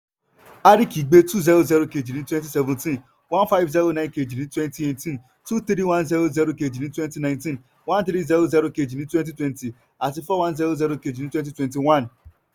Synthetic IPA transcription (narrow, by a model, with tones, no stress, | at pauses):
a˦ɾi˦ki˨ɡ͡be˦tu˦zɛ˦ɾo˦zɛ˦ɾo˦ke˨d͡ʒi˨nĩ˦twɛ̃˦nt̬i˦sɛ˨vũ˨ntĩ˦n | wã˦nfa˦ɪvzɛ˦ɾo˦nã˦ɪ̃nke˨d͡ʒi˨nĩ˦twɛ˦nti˦e˨tĩ˦n | tu˦t̪ɾi˦wã˦nzɛ˦ɾo˦zɛ˦ɾo˦ke˨d͡ʒi˨ni˦twɛ˦nti˦nã˨ɪ̃ntĩ˦n | wã˦nt̪ɾi˦zɛ˦ɾo˦zɛ˦ɾo˦ke˨d͡ʒi˨ni˦twɛ̃˦nt̬i˦twɛ˦nti˨ | a˨t̬i˨fɔ˦wã˦nzɛ˦ɾo˦zɛ˦ɾo˦ke˨d͡ʒi˨ni˦twɛ̃˦nt̬i˦twɛ̃˦nti˨wã˦˨n